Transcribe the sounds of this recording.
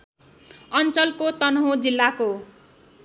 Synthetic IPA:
ʌnt͡sʌlkot̪ʌnɦõd͡zilːako

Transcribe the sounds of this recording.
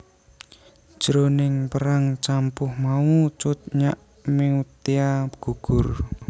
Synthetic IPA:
d̥ʒ̥ɾonɪŋpəɾaŋt͡ʃampʊhmaut͡ʃʊt̪̚ɲaʔ | meut̪iaɡ̥ṳɡ̥ʊr

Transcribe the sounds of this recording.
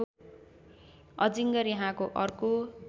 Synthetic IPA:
ʌd͡ziŋɡʌɾjaɦãkoʔʌrko

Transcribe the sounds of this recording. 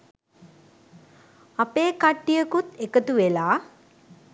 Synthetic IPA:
apeːkaʈːijəkut̪ekət̪uʋelaː

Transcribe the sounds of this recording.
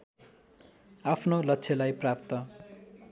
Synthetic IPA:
apʰnolʌtːt͡sʰelajprapt̪ʌ

